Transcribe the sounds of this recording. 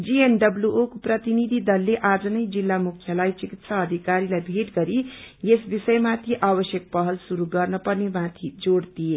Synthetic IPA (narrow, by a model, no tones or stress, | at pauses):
d͡zienɖʌbljuʔokoprʌt̪inid̪ʱid̪ʌlːeʔad͡zʌnʌjd͡zilːamukʰjʌlajt͡sikit̪sʰaːd̪ʱikaɾilajbʱeʈɡʌɾijesbisʌjmat̪ʰiʔabʌsjʌk̚pʌɦʌlsuɾuɡʌrnʌpʌrnemat̪ʰid͡zoɽt̪ije